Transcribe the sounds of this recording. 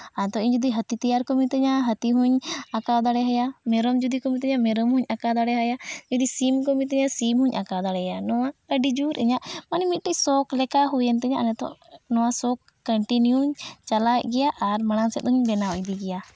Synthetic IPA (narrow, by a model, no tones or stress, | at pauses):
anɛt̪ɔʔiɲd͡ʒud̪iɦət̪it̪ijaɾkɔmit̪ɛɲaɦət̪iɦuɲakad̪aɽɛɦajamɛɾɔmd͡ʒud̪ikɔmit̪ɛɲamɛɾɔmhuɲakad̪aɽɛɦajad͡ʒud̪isimkɔmit̪̬ɛɲasimhuɲʔakad̪aɽɛjanɔwaəɖid͡ʒuɾʔɛɲaʔmanimit̪̚ʈɛcsɔklɛkaɦujənt̪ɛɲaʔnɛt̪ɔ̰ʔnɔwasɔkːəɳʈinjuɲt͡ʃalajʔɡɛjaʔːɾmaɽ̃ansɛt̪̚ɦuɲbɛnaɔjd̪iɡɛja